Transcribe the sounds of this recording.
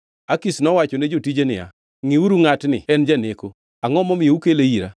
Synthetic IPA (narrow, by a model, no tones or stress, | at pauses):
akisnɔwat͡ʃoned͡ʒotid͡ʒenɪja̰ | ŋiuɾuŋatnɪɛnd͡ʒaneko | aŋɔmɔmɪjoukeleiɾa̰